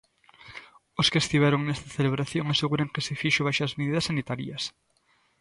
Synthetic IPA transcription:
oskest̪iβɛɾoŋnɛst̪ɐθeleβɾaθjõŋaseɣuɾɐŋkesɪfiʃʊβajʃɐzmeðiðɐsanit̪aɾiɐs

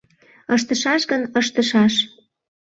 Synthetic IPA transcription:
əʃt̪əʃɑʃɣənəʃt̪əʃɑʃ

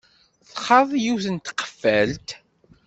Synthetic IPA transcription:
θχɑðˤjuθənt̪qə̥fːælt̪

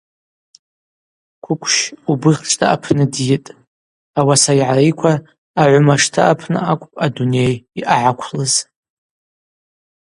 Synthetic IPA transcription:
kʷʰʊkʷʰʃubɨʁʲʈ͡ʂʼtʼʰaʔa̰pʰnɨdjɪtʼ | awasaiʕaɾijkʷʰaː | ʕʷʊmaʂtʰɨʔapʰnɨ̰ʔakʷʼpʼadune̞jiʔaʕakʷʰlɨz̥

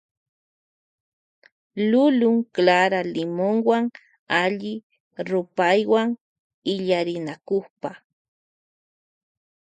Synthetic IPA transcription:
lʊlʊŋklaɾalɪmoŋwaŋ | aʎɪ | ɾʊpajwaŋ | ɪʎaɾɪnakoχpa

